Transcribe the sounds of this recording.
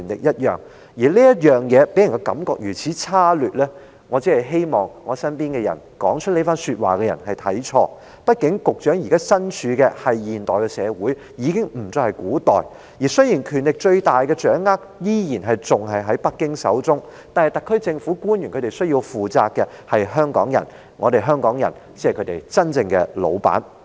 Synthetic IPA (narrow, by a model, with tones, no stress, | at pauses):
y˨nlɪ̰˨k̚jɐ˥t̚jœ̰ː˨ŋ | jiː˨˩liː˥jɐ˥t̚jœː˨ŋjɛː˨˧pe˨˥jɐ˨˩kɔ˧kɐ̰˨˧˥mkɔː˨˧k̚jyː˨˩t͡sʰiː˨˥t͡sʰaː˥lyː˨t̚lɛː˥ | ŋɔː˨˧t͡si˨˥ɐ˨˩jɦe˥jmɔː˨˩ŋːɔː˨˧sɐ˥npiː˥nkɛ˧jɐ̰˨˩n | kɔː˨˥ŋt͡ʃʰɵ˥t̚le˨˥faː˥nsyː˧t̚wa̰ː˨˩kɛː˧jɐ̰˨˩nɦɐ˨jt̪ʰɐ˨˥jt͡ʃʰɔː˧ | pɐ˥t̚kɪ˨˥ŋkʊ˨k̚t͡ʃœː˨˥ŋji˨˩kaː˥sɐ˥nt͡ʃʰyː˨˥kɛ˧hɐ˨jjiː˨nt̪ɔː˨jkɛ˧sɛː˨˧wuː˨˥j | jiː˨˧˥kɪ˥ŋm̩˨˩t͡sɔː˨˧hɐ˨jkuː˨˥t̪ɔː˨˩j | jiː˨˩sɵ˥ɥjiː˨˩nkʰyː˨˩nlɪ˨k̚t͡ʃɵ˧ɥt̪aː˨jkɛː˧t͡ʃœː˨˥ŋːaː˥k̚jiː˥jiː˨˩nɦɐ˨jt͡sʊ˨˩ŋɦɐ˨jɦɐ˨˥jpɐ˥kːɪ˥ŋsɐ̰˨˥wt͡sʊ˥ŋt̪aː˨nhɐ˨˩jt̪ɐ˨kʰːɵ˥ɥt͡sɪ˧ŋfuː˨˥kuː˥njy˨˩kʰɵ˨˧t̪e˨jsɵ˥ɥjiː˧wfuː˨t͡sa̰ː˧k̚kːɛ˧hɐ˨jɦœː˥ŋkɔː˨˥ŋjɐ̰˨˩n | ŋɔː˨˧t̪e˨jɦœː˥ŋkɔː˨˥ŋjɐ˨˩nt͡si˨˥ɐ˨jkʰɵ˨˧˥t̪e˨˩jt͡sɐ˥nt͡sɪ˧ŋkɛ̰˧lo̰˨˧wpa̰ː˨˥n